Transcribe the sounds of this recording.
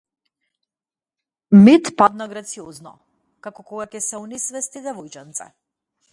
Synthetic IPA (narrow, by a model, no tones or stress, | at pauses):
mit̪pad̪naɡɾat̪siɔznɔ̰ | kakɔkɔɡakɛsɛɔnisvɛst̪id̪ɛvɔjt͡ʃant̪sɛ̰